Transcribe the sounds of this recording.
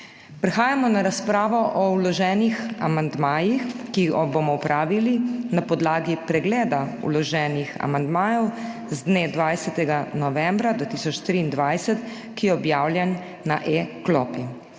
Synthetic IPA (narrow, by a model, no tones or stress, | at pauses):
pɾɛxaːjamɔnaɾaspɾaːʋɔʔɔwlɔʒɛːnixa̰mand̪maːjixkiɡɔbomɔwpɾʔaːʋilinapɔd̪laːɡipɾɛɡlɛːd̪aṵlɔʒɛːnixa̰mand̪maːjɔw | zd̪ned̪ʋajsɛt̪ɛɡanɔʋɛmbɾad̪at̪iːsɔt͡ʃt̪ɾiːnd̪ʋajsɛt̪ | kijɛɔbjaːwlʲjɛnː | aʔeklɔːpi